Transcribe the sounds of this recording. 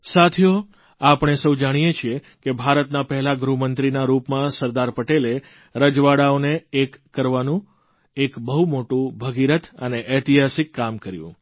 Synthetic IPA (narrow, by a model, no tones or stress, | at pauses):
sat̪ʰjo | apɳ̃esəwd͡ʒaɽ̃ijet͡ʃʰie | kebʱaɾət̪napəɦɛlaɡɾumənt̪ɾinaɾupmãsəɾd̪aɾpəʈele | ɾəd͡ʒʋaɽaoneekːəɾʋanũ | ekbəɦumoʈũbʱəɡiɾət̪ʰəneʔɛt̪iɦasikːamkəɾjṵ̃